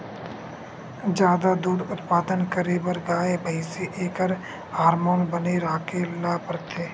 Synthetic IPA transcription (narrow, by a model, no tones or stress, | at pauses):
d͡ʒjaːd̪ad̪uːɾʊt̪paːd̪ənkəɾebəɾɡaːebəiseʔeːkəɾ | aːɾmoːnbəneɾaːkelaːpəɾt̪ʰeː